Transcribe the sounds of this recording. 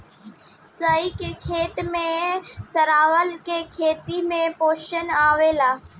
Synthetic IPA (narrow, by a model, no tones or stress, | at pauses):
səikekʰeːt̪mẽsəɾaːʋəlkekʰeːt̪imẽpoːʃənaːʋelaː